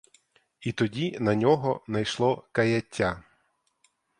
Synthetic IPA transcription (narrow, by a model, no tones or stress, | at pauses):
it̪ɔdʲinɐnʲɔɦɔnɐjʃlˠɔkɐjɐtʲːa